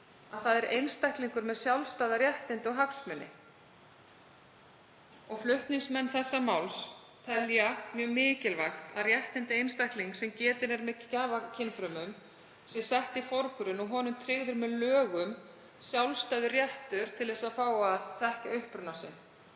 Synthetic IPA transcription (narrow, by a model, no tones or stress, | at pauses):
aðθaðɛɾʔejnst̪ajhkliŋkʏɾmɛðsjawlst̪aːðaɾjɛht̪ɪnt̪ɪɔɣɦaksmœnːɪ̰ | ɔɣflʏht̪niŋsmɛnːθɛsːamawls | t̪ʰɛljamjœːɣmɪːcɪlvaxt̪a̰ðrjɛht̪ɪnt̪ɪejnst̪ajhkliŋksɛmcɛːt̪ɪnɛɾmɛcaːvacʰɪnfɾʏmʏm | sɪsɛht̪ifoɾkʏɾʏnɔɣɦɔːnʏmt̪ʰɾɪɣðʏɾmɛðlœːɣʏm | sjawlst̪ajðʏrjɛht̪ʏɾ̥t̪ʰɪlðɛsaðfaːwaðθɛhcaʏhpɾʏnasɪ̰n